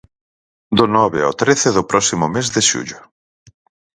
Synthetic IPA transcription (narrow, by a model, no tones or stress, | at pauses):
d̪ʊnɔβeo̰t̪ɾeθeðʊpɾɔsimʊmezðɪʃṵʎʊ